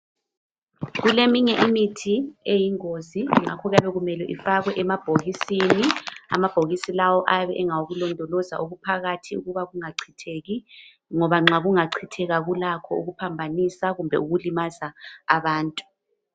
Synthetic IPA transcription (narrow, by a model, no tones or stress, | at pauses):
ɣulemiɲɛʔimitʰiejiŋoziŋ͡ǁakʰɔɣjaβɛɣumɛlɛʔifaɣwɛʔɛmab̥ʱoɣisinia̰mab̥ʱoɣisilawɔʔaβɛʔɛŋawoɣulɔndʱɔlɔza̰ʔoɣupʰaɣatʰiṵɣuβaɣuŋaǀʰitʰeɣi | ŋɔβaŋ͡ǁaɣuŋaǀʰitʰɛɣaɣulakʰɔuɣupʰambʱanisaɣumbʱɛ̰uɣulimazaːβaːntʼu̥